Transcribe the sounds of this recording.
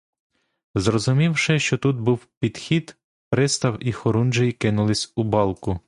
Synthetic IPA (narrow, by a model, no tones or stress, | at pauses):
zrɔzʊmʲiwʃɪʃt͡ʃɔt̪ud̪̚buwpʲid̪xʲid̪ | pɾɪst̪ɐwixɔɾund͡ʒejikɪnʊlˠɪsʲʊbɑlˠkʊ